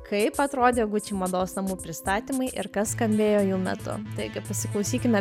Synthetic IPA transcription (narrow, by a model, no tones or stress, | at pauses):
kʰɐɪpɐt̪ɾoːd̪ʲeɡʊt͡ʃʲɪːmɐd̪oːsnɐmuːpʲɾʲɪst̪ɑːt̪ʲimɐɪʔɪɾkɐsskɐmʲbʲeːjoːjuːlmʲɛ̰t̪ʊ̰t̪ɐɪkɐpɐsʲɪlˠɐʊsʲiːkʲɪmʲɛ